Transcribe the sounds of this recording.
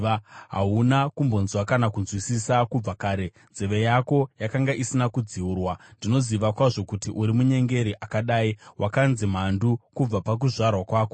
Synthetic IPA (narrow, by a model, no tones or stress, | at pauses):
ɦa̰ɦunakumbo̞nzwakanakunzwisisakub͡vakaːɾe̞ | nzeʋe̞jako̞jakaŋɡaʔisinakud͡ziuːrwandino̞ziʋakwaʐo̞kutiʔuɾimuɲe̞ŋɡe̞ɾiʔakaɗaːiwʔakanzim̤andukub͡vapak̬uʐarwakwaːko